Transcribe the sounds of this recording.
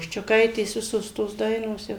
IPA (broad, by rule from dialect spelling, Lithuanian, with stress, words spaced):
ʃʲt͡ʃʲʊˈkɐɪtʲeːs ˈʋʲɪsoːs toːs ˈdɐɪnoːs ˈjɛʊ